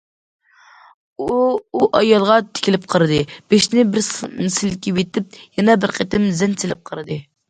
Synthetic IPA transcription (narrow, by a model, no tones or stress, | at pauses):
uuʔɑjɑlˠʁɑt̪ʰɪ̥kʲilɪp̚qʰəɾɨd̪ɨb̥eʃnɪbɪɾmsɪlkʲiwet̪ɪp̚jɛnɛbɪɾqʰet̪ɪmzɛnsʰɪlɪp̚qʰəɾɨd̪ɨ